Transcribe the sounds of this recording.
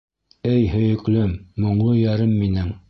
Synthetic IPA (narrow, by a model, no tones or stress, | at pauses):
ɘjhɵ̆jɵ̆klɵmːŏɴlˠɤjæɾɘmːinɘŋ